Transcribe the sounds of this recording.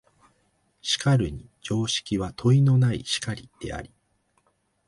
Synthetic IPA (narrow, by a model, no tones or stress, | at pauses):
ɕi̥kaɾɯ̟ɲ̟id͡ʑo̞ːɕi̥kʲiβat̪ʰo̞ino̞naiɕi̥kaɾʲid̪̥e̞̰a̰ɾʲi